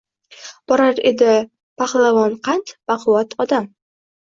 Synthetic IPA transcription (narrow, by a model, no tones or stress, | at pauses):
b̥ɒɾaɾḛd̪ɪ | baχlˠavɒnqʰɑnt̪baqʰʊwat̪ʰɒd̪am